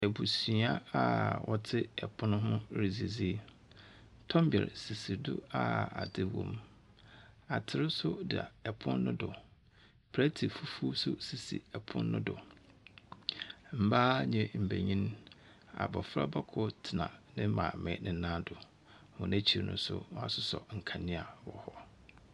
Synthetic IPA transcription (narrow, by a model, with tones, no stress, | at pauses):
ɛ˨bu˨si˨˦a˦a˦˨wʔɔ˦tʰɪ˦ɛ˨pʰʊ˦nʊ̃˦ɦʊ̃˦ɾi˨zi˨zi˦ | tʰɔ̃˦m˦bɛ̰˨ɾsi˨si˨dʊ̰˦a˦˨a̰˨dɪ˦wɔ̰̃˦m | a˨tʰɪ˨ɾɪ˦sʊ˦dɪ˨a̰˨ɛ˨pʰʊ̃˦nː˦ʊ̃˦dʊ˨ | pʰæ˦tʰi˨fu˦fu˦sʊ̰˦si˨sḭ˨ɛ˨pʰʊ̰̃˦nːʊ̃˦dʊ˨ | m̩˨˦baː˦ɲɛ̃˨m̩˨bæ̰˨ɲĩ˦n | a̰˨bɔ˨fɾa̰˦ba˦kʰʊ˦tʰɪ˨nã̰˨nɪ̃˦mã̰˨mɛ̃˨˦nʔɪ̃˨˦nã˦dʊ˨ | hʊ̃˨næ˦t͡ɕʰi˨nʊ̃˦sʊ̰˦wa̰˦˨sʊ˦sɔ̰˨ŋ̩˨kʰa˨nɪ̃˦a˨wɔ˨hɔ˦